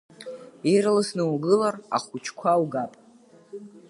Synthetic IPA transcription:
iɾlɨsnɨwɡɨlara̰χut͡ʃʰkʷʰawɡapʼ

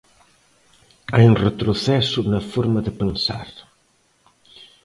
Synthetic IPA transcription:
ajunret̪ɾuθɛsunɐfoɾmɐðəpənsa̰ɾ

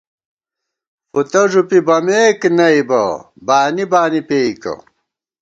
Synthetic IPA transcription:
fut̪ɐʐupibɐmeːknɐibɐ̰ | baːnibaːnipeːikɐ̰

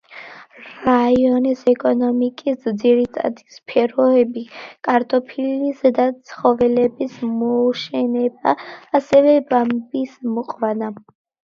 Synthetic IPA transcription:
ɾaiɔnisɛkʼɔnɔmikʼisd̪ziɾit̪ʼa̰d̪ispʰɛɾɔɛbikʼaɾt̪ʼɔpʰilisd̪at̪sʰχɔvɛlɛbismɔʃɛnɛbaːsɛvɛbambismɔqʼvana

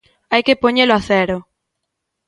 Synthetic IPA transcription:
ajkepoɲeloaθeɾo

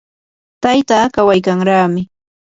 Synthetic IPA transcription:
t̪ajt̪aːkawajkaŋɾaːmɪ

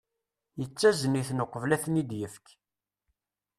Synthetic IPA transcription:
jət͡sːæzəniθnoqːəvlæθənid̪jəfk

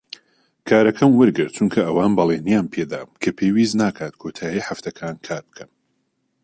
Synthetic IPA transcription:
kʰaːɾɐkʰɐmwɨɾɡɨɾt̪̚t͡ʃʰunkʰɐʔɐwaːnbɐlˠenijaːnpʰeːd̪a̰ːmkʰɐpʰewiːznaːkʰaːt̪kʰoːt̪ʰaːjiːħaft̪ʰɐkʰaːnkʰaːɾbɨ̥kʰɐm

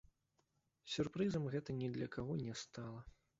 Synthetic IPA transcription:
sʲurpɾɨzɐmɣɛt̪ɐnʲɛd̪lʲɐkaɣɔnʲɛst̪alˠɐ

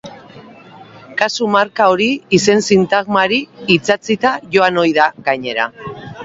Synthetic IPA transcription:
kasumaɾkao̞ɾiise̞nsint̪aɣmaɾiːt͡sat͡sit̪aʝo̞ano̞jðaɣaɲe̞ɾa̰

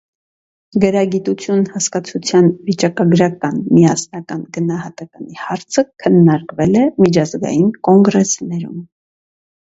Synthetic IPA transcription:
ɡəɾɑɡit̪ut͡sʰjunhɑskɑt͡sʰut͡sʰjɑnvit͡ʃɑkɑɡɾɑkɑnmijɑsnɑkɑnɡənɑhɑt̪ɑkɑnihɑɾt͡sʰəkʰənːɑɾkvɛlɛmit͡ʃʰɑzɡɑ̰jinkɔŋɡɾɛsnɛɾṵm

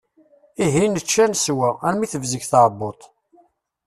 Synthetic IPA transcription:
iɦinət͡ʃːænswææɾmiθəvzəʝθɑʕbot̪ˤ

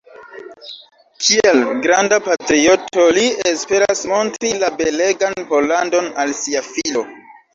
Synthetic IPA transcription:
kʰielɡɾandapatɾio̞to̞liespe̞ɾasmo̞ntɾilabe̞leɡanpo̞lando̞nalsiafilo̞

